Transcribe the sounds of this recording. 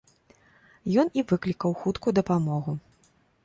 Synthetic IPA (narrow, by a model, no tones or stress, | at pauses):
jɔnivɨklʲikɐwxut̪kujud̪ɐpamɔɣu